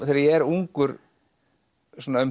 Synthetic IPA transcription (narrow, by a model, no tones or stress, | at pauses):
θɛɾaɾjɛɛɾuŋkʏɾ | sɔːnaʏm